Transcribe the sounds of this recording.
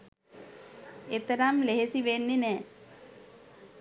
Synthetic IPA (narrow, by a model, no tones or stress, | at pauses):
et̪əɾamleɦesiʋenːinɛː